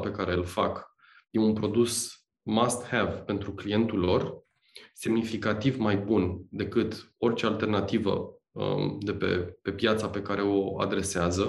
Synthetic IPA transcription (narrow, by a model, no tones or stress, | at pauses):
pe̞kaɾe̞ɨlfak | je̞unpɾo̞d̪us | mast̪hevpe̞nt̪ɾuklije̞nt̪ulo̞r | se̞mnifikat̪ivmajbund̪e̞kɨt̪o̞rt͡ʃe̞alt̪e̞rnat̪ivə̰ | ə̰d̪e̞pe̞̰pe̞pjat̪sape̞kaɾe̞o̞a̰d̪ɾe̞seazə